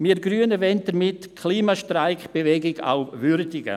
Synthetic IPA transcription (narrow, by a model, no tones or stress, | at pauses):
miɾɡɾyːənəvɛnt̚dəɾmɪtkʰliːmaʃtraɪkb̥evɛɡɪɡa̰ʊvʏɾdɪɡə̰